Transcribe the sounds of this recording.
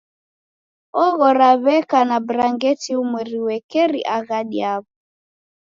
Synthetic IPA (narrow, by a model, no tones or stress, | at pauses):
ɔɣɔɾaβɛkanabɾaŋɡɛtiumwɛɾiwɛkɛɾḭʔaɣaɗiaβu